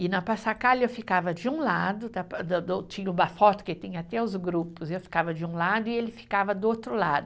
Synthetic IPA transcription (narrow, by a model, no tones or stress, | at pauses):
ɪnɐpasakalewfikavɐd͡ʒɪũlad̪ʊd̪ɐpd̪d̪t͡ʃĩɲɐʊbafɔt̪ʊ̥kɪt̪ẽj̃ɐat̪ɛʊzɡɾupʊsewfi̥kavɐd͡ʒɪũlad̪ʊɪelɪfi̥kavɐd̪ʊot̪ɾʊlad̪ʊ